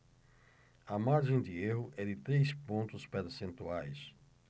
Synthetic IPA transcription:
ɐmaɾʒẽj̃d̪ɪeɦʊʔɛd̪ɪt̪ɾejspõnt̪ʊspeɾsẽnt̪uajs

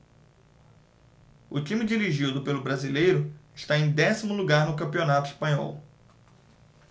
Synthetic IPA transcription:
ʊt͡ʃĩmid͡ʒiɾiʒid̪ʊpelʊbɾazilejɾʊɪʃt̪aẽj̃d̪ɛsimʊluɡaɾnʊkɐ̃mpiõnat̪ʊispɐ̃ɲɔ̰w

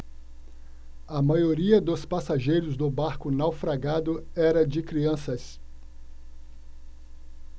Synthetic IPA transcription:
ɐmajoɾiɐd̪ʊspasaʒejɾʊzd̪ʊbaɾkʊnawfɾaɡad̪ʊɛɾɐd͡ʒɪkɾiɐ̃sɐs

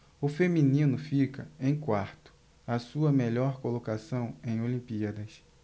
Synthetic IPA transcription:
ʊfemĩnĩnʊfikɐẽj̃kwaɾt̪ʊ̥ | ɐsuɐmeʎɔɾkolokasɐ̃w̃ẽj̃olĩpiɐd̪ɐs

